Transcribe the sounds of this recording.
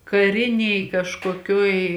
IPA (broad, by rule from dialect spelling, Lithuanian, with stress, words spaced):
kɐˈrʲɪnʲeːj kɐʃkoːˈkʲuɔj